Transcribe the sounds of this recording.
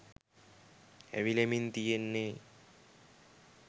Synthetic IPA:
æ̰ʋilemint̪ijenːe

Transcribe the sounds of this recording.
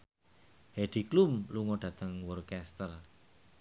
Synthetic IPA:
heɖ̪̥iklumluŋɔɖ̥ä̤t̪əŋwɔrkɛst̪ər

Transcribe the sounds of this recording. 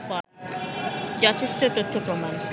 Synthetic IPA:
pɔ | d͡ʑɔt̪ʰeʃʈot̪ot̪ʰːopɾoman

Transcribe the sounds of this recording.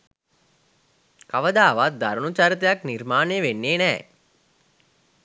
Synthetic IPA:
kaʋəd̪aːʋat̪̚d̪aɾənut͡ʃaɾit̪̬əjaknirmaːnejəʋenːeːnɛː

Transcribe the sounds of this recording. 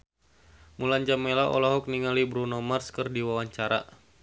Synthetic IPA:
muland͡ʒamelaʔɔ̰lɔɦɔk̚niŋalibɾunɔmarskərdiwawaɲt͡ʃaɾa̰

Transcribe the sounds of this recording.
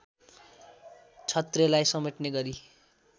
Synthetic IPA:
t͡sʰʌt̪relajsʌmeʈneɡʌɾi

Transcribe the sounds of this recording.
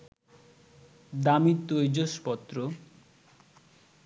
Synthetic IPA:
d̪amit̪ːojd͡ʑoʃpɔt̪ːɾo

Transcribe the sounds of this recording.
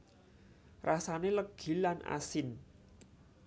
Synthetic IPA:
rasaneləɡ̥i̤lanʔa̰sɪn

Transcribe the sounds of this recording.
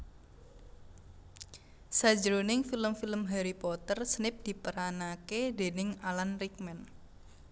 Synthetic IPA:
sḁd͡ʒɾonɪŋfiləmfiləmɦeɾipɔt̪ərsənɪp̚d̪̥i̤pəɾanaked̪e̤nɪŋalanrik̚mɛn

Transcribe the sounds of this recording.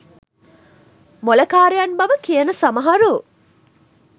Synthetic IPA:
molɐkaːɾejɐnbɐʋəkijənəsɐmɐɦɐɾu

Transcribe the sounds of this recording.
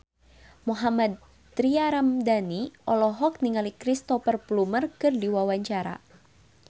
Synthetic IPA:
muɦamad̪̚ | t̪ɾiaɾamdaniʔɔlɔɦɔk̚niŋalikɾist̪ɔfərplumərkɨrdiwawaɲt͡ʃaɾa̰

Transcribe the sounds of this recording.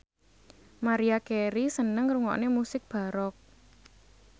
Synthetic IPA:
maɾiakeɾisənəŋɾuŋɔ̰ʔnemusɪk̚b̥a̤ɾɔk̚

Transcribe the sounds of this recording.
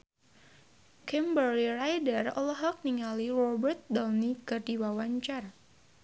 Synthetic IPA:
kɛmbərlirajdərɔlɔɦɔk̚niŋalirɔbərt̪̚dɔlnikɨrdiwawaɲt͡ʃar

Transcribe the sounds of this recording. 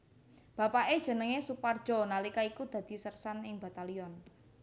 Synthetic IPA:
b̥a̤paʔed̥ʒ̥ə̤nəŋesupard̥ʒ̥ɔ̤nalikaikud̪̥ä̤d̪̥i̤sərsanɪŋba̤t̪aliɔn

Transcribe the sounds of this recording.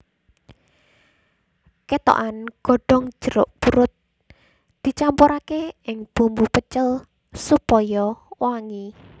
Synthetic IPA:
kɛt̪ɔ̰ʔanɡ̥ɔ̤ɖ̥ɔŋ̥d͡ʒ̥ə̤ɾʊ̰ʔpuɾʊt̪̚ | d̪̥i̤t͡ʃampoɾakeɪŋb̥ṳmbupət͡ʃəl | supɔjɔwaŋi

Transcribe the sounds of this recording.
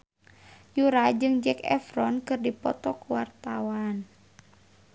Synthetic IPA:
juɾad͡ʒɨŋd͡ʒɛkɛ̰fɾɔnkɨrdipɔ̰t̪ɔkuwart̪awan

